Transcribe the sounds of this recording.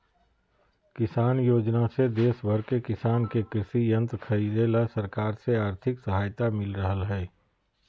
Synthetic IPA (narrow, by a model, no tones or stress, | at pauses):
kɪsaːnjoːd͡ʒnased̪eːsbʱəɾkekɪsaːnkekɾɪsijə̃nt̪ɾkʰɐid̪elasəɾkaːɾseaːɾt̪ʰɪksəɦaːjt̪amɪlɾəɦəlɦɛː